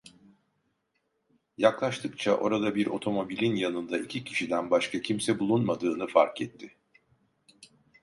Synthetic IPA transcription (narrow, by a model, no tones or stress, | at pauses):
jaklˠaʃt̪ʰɯk̚t͡ʃʰaʔo̞ɾad̪abiɾo̞̰t̪ʰo̞mo̞bilʲinjanɯnd̪aicʰicʰi̥ʃid̪ænbaʃkʰacʰimsɛbulˠunmad̪ɯːnɯfa̰ɾkɛt̪ʰːɪ